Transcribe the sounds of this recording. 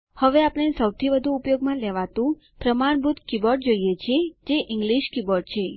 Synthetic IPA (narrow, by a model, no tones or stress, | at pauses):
həʋeapɳ̃esəwt̪ʰiʋəd̪ʱuːpjoɡmãleʋat̪ũ | pɾəmaɳ̃bʱut̪kibɔʈ̚d͡ʒoijet͡ʃʰied͡ʒeʔɪŋɡliʃkibɔɾɖ̚t͡ʃʰe